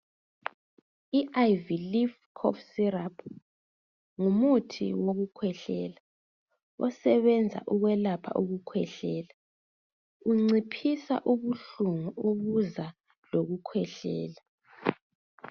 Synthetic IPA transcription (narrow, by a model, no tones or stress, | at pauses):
iʔajvilifkʰɔ̰fsirapʰ | ŋumutʰḭwoɣukʰwɛɬɛːla | ɔsɛβɛnd͡zʱa̰ʔuɣwɛlapʰa̰ʔuɣukʰwɛɬɛːla | uŋ͡ǀipʰisa̰ʔuβuɬuŋuoβuza | loɣukʰwɛɬɛːla